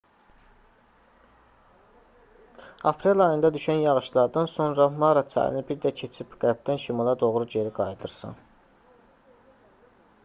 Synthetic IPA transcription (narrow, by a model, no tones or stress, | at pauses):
ɑpʰɾelˠɑjɯnd̪ɑd̪yʃænjɑʁɯʃlˠɑɾd̪ɑnso̞nɾɑmɑɾɑt͡sʰɑ̰jɯ̰nɯbiɾd̪æcʰe̞t͡ʃʰibɡ̥æɾbd̪ænʃimɑlˠɑd̪o̞ʁɾud͡ʒe̞ɾiɡɑjd̪ɯɾsɯ̰n